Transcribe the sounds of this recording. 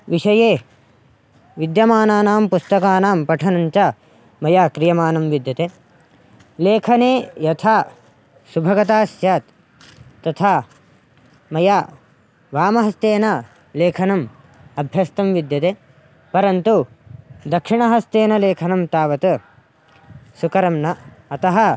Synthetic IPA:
ʋiʂɐjeː | ʋid̪jɐmaːnaːnaːmpust̪ɐkaːnaːmpɐʈʰɐnɐɲt͡ʃa | mɐjaːkɾijɐmaːnɐmʋid̪jɐt̪eː | leːkʰɐneːjɐt̪ʰaː | subʱɐɡɐt̪aːsjaːt̪ː | ɐt̪ʰaː | mɐjaː | ʋaːmɐɦɐst̪eːnɐ | leːkʰɐnɐm | ɐbʱjɐst̪ɐmʋid̪jɐt̪eː | pɐɾɐnt̪u | d̪ɐkʂiɳɐɦɐst̪eːnɐleːkʰɐnɐmt̪aːʋɐt̪ɐ | sukɐɾɐmnɐɐt̪ɐɦɐ

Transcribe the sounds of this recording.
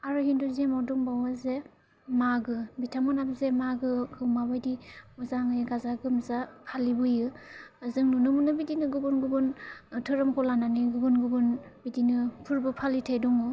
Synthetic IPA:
aɾɯhinduzemɔduŋbawaze | maɡɯbitʰamɔnabzemaɡɯɡʰɯwmabajdiɔzaŋɯjɡazaɡɯmzapʰalibɯjɯzɯŋnunɯmunɯbidinɯɡɯɡunɡɯɡɯntʰɯɾɯmkʰɔlananiɡɯɡɯnɡɯɡɯnbidinɯpʰuɾbɯpʰalitʰajdɔŋɯ

